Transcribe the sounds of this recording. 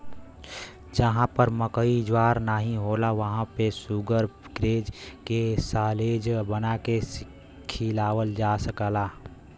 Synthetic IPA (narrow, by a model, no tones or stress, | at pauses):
d͡ʒəɦãpəɾməkəid͡ʒwaːɾnaɦĩɦoːlaʋəɦãpesuɡəɾɡɾeːd͡ʒkesaːleːd͡ʒbənakesɪ | kkʰːilaːʋəld͡ʒasəkəlaː